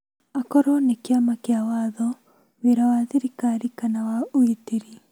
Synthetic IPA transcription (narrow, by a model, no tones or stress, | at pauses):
akɔɾɔnekeamakeawaðɔ | weɾawaðiɾikaɾikanawaoitiɾi